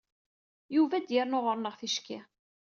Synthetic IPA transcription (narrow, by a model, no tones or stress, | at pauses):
juvæd̪jəɾnoʁəɾˤnəʁθiʃki